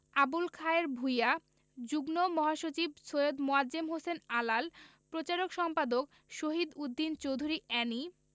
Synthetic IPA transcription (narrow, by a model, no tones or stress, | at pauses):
abulkʰaeɾbʱuja | d͡ʑuɡnomɔɦaʃot͡ɕibsojod̪moaemɦosenalalpɾot͡ɕaɾokʃɔmpad̪ok | ʃoɦid̪ud̪ːint͡ɕowd̪ʱuɾiɛni